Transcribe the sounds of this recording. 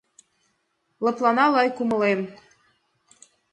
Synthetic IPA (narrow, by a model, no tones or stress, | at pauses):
lɤ̆plɑnɑlɑjkumɤ̆lem